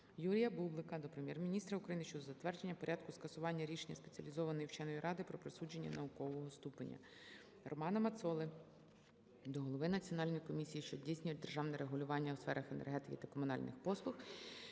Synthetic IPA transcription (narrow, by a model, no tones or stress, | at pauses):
juɾʲijɐbublˠɪkɐd̪ɔpɾemʲjɛrmʲinʲist̪ɾɐʊkɾɐjinɪʃt͡ʃɔd̪ɔzɐt̪ʋɛrd͡ʒe̞nʲːɐpɔɾʲɑd̪kʊskɐsʊʋɑnʲːɐɾʲiʃenʲːɐspet͡sʲiɐ̰lʲizɔʋɐnɔjiwt͡ʃɛnɔjiɾʔɑd̪ɪpɾɔpɾesud͡ʒe̞nʲːɐ̰nɐʊkɔʋɔɦɔst̪upenʲːɐ̰ | rʔɔmɑnɐmɐt̪sɔlˠɪ | d̪ɔɦɔlˠɔʋɪnɐt͡sʲiɔnɑlʲnɔjkɔmʲisʲijiʃt͡ʃɔdʲijsʲnʲʊjʊt̪̚ʲd̪erʒɑwnɛɾeɦʊlʲʊʋɑnʲːɐwsfɛɾʔɐxenḛrɦɛt̪ɪkʲɪt̪ɐkɔmʊnɑ̰lʲnɪ̰xpɔslˠʊx